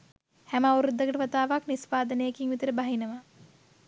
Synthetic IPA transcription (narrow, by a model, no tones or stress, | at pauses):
hæməawɾud̪ːɐɡəʈəʋat̪aːʋaknispaːd̪ənəjekiŋʋit̪əɾəbaɦinəʋa